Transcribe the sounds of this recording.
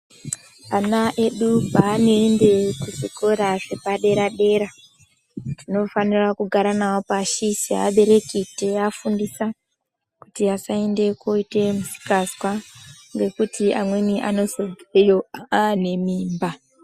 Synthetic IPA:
anaʔe̞ɗupaːnoende̞kuziko̞ɾaʐe̞paɗe̞ɾaɗe̞ɾa | tino̞fanirakuɡʱaɾanawopaʃisia̰ɓe̞ɾe̞kiteafundisa | kutiasae̞nde̞koite̞musi̥kazwaŋɡe̞kutiʔamwe̞niʔa̰no̞zo̞d͡zʱejo̞aane̞miːmba

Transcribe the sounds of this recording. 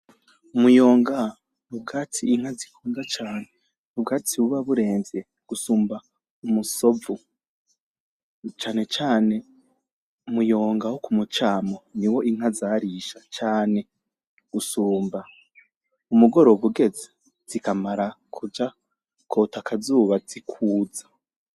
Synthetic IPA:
umujoːŋɡa | nub̚ɡatʰiiŋ̥hazikʰuːndat͡ʃaːne̞ | ubɡaːtʰiwuβaβuɾe̞ːnze | ɡ̥usuːmba | umuso̞vu | t͡ʃaːne̞t͡ʃaːne̞ | mujo̞ːŋɡahokumut͡ʃaːmoniwo̞ʔiŋ̥hazaːɾiʃat͡ʃaːne̞ | ɡ̥usuːmba | umuɡo̞ɾo̞βuɡe̞ze | z̥ikamaɾakʰud͡ʒa | kʰotakʰazuːβazikʰuːzḁ

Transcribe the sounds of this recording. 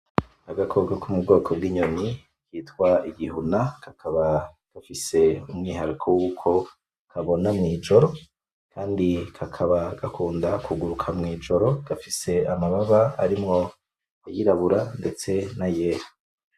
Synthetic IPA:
aɡakʰoɡokʰumubɡo̞ːkʰo̞b̚ɡiɲo̞ni | kiːtkwaiɡihunakʰakʰaβa | ɡ̥afise̞umŋiːɦaɾikʰowukʰo̞ | kʰaβo̞namŋiːd͡ʒo̞ɾo̞ | kʰaːndikʰakʰaβaɡ̥akʰuːndakʰuɡuɾukʰamŋiːd͡ʒo̞ɾo̞ɡ̥afise̞amaβaβaa̰ɾimŋo̞ | ajiɾaβuɾande̞t͡se̞najeːha

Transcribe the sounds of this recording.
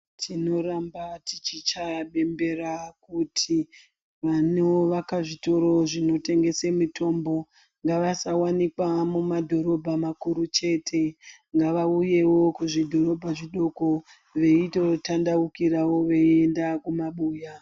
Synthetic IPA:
tʰino̞ɾambatit͡ʃit͡ʃaɓe̞mbe̞ɾakutʰi | ʋanoʋakaʐito̞ɾo̞ʐino̞te̞ŋɡe̞semutʰo̞mbo̞ | ŋɡaʋasawanikwamumadʱo̞ɾo̞bʱamakuɾut͡ʃe̞ːtʰe̞ | ŋɡaʋauje̞wo̞kuʐidʱo̞ɾo̞bʱaʐiɗo̞ko̞ | ʋe̞itotandaukiɾawo̞ʋe̞iendakumaɓuːja

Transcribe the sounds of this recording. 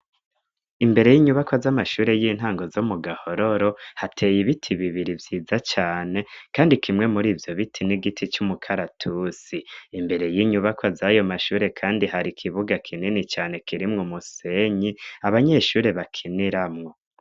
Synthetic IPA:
imbe̞ɾe̞jiːɲuβakwazamaʃuːɾe̞jiːn̥ɦaːŋɡo̞zomuɡaho̞ɾo̞ɾohatʰe̞ːjiβitʰiβiβiɾivjiːzat͡ʃaːne̞kaːndikʰimŋe̞muɾiːvjo̞βitʰiniɡitʰit͡ʃumukʰaɾatʰusiːmbe̞ɾe̞jiɲuβakwazajo̞maʃuːɾe̞kʰaːndihaɾikʰiβuɡakʰininit͡ʃaːne̞kʰiɾimŋomuse̞ɲiaβaɲe̞ʃuːɾe̞βakʰiniɾamŋo̞

